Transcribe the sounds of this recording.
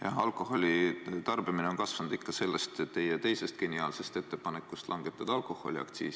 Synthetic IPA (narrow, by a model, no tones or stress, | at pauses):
jɑ̰hɑlkˑo̞ho̞lʲit̪ɑrb̥imineo̞nkɑsvɑnud̪̥ikːɑse̞lːe̞st̪et̪ːe̞jet̪e̞jse̞st̪̚kenʲiɑːlse̞st̪e̞t̪ːe̞pɑne̞kːˑust̪lɑŋɡ̥e̞t̪ːˑɑd̪̥ɑɑlkˑo̞ho̞liɑ̰kt̪sḭːsi